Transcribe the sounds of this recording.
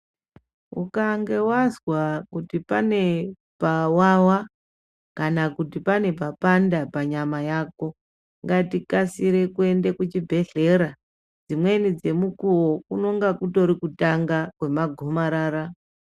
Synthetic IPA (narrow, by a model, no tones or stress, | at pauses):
ṵkaŋɡe̞wazwakutipane̞ | pawawa | kanakutipane̞p̬apandapaɲamajako̞ | ŋɡatikasiɾe̞kue̞nde̞kut͡ʃibʱe̞ɮe̞ɾa | d͡zimwe̞nid͡ze̞mukuwokuno̞ŋɡakuto̞ɾikutaŋɡakwe̞maɡʱomaɾaːɾa